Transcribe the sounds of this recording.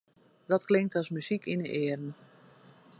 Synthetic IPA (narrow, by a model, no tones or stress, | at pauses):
d̥ɔtklɪŋk̚tɔsmyzikʰinəʔɪərən̩